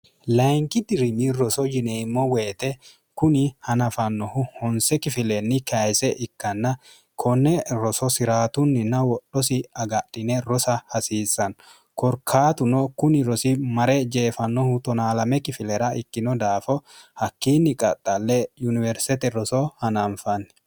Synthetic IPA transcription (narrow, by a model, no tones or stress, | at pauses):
lɐŋkɪd̪ɪɾɪnɪɾɔsɔd͡ʒɪnɛɪmːɔwe̞ːt̪ɛ | kʊnɪhɐnɐfɐnːɔhʊhɔnsɛkɪfɪlɛnːɪkɐjsɛʔɪkːɐnːɐ | kʰɔnːɛɾɔsɔsɪɾaːt̪ʊnːɪnɐwɔɗːɔs̬ɪɐɡɐɗɪnɛɾɔsɐhɐsiːsːɐn | kɔɾkʰːaːt̪ʊnɔkʊnɪɾɔsɪmɐɾɛd͡ʒeːfɐnːɔhʊt̪ɔnaːlɐmɛkɪfɪlɛɾɐɪkːɪnɔd̪aːfɔhɐkːiːnːɪkʼɐt̪ʼːɐlːɛjʊnɪvɛɾst̪ɛt̪ɛɾɔsɔhɐnɐnfɐnː